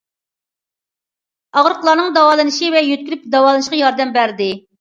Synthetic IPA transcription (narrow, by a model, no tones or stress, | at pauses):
ɑʁɾəqlˠɑːnɨŋd̪ɑwɑːlˠɨnɨʃivɛjøt̪̚kʲyɾyp̚d̪ɑwɑːlˠɨnɨʃqɑjɑɾd̪ɛmbæɾd̪ɪ